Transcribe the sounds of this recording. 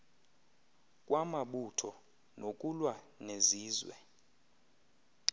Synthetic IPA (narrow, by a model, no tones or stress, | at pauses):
kʼwʔamaɓutʰɔ | nokʼulwa | neziːzwɛ̰